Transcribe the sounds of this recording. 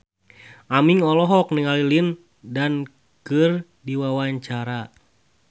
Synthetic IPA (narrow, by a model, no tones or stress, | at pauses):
ʔamiŋɔlɔɦɔk̚niŋalilin | dan | kɨr | diwawaɲt͡ʃaɾa